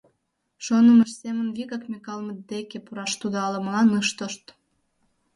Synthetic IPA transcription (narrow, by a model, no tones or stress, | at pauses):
ʃonəməʃsemənβiɣɑkmʲekɑlmət̪̚d̪ekepuɾɑʃt̪ud̪oɑlə̆mlɑnɨʃt̪oʃt̪